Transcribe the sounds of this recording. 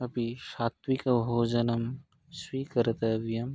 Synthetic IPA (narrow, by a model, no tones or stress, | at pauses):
ɐpiʃaːt̪wikɐbɦoːd͡ʒɐnɐm | swiːkɐɾɐt̪ɐʋjɐm